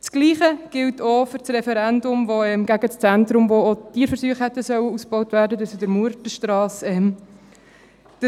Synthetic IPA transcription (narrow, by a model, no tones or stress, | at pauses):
t͡sɡ̥liːχəɡ̥ɪltʰofʏɾt͡srɛfɛɾɛndʊmvoɛmɡæɡət͡st͡sæntɾʊmvootiːəɾfəɾsyːχhɛtːəsœwəusb̥ɔʊtvæːɾdədəsudəɾmuəɾtəʃtɾɑːsɛm | d̥ə